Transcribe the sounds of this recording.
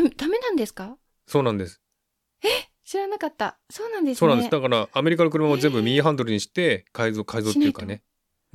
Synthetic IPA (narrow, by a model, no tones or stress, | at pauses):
md̪ame̞nãnd̪esɨ̥ka | so̞ːnãnd̪e̞sɨ̥ | e | ɕiɾanakat̪ːa | so̞ːnãnd̪esoːnãnd̪ɨd̪akaɾaːme̞ɾʲikanokɯɾɯmamozẽ̞mbɯ̟mʲiːɦãnd̪o̞ɾɯ̟ɲ̟iɕi̥t̪e̞kaizoːkaizot̪eiɯkane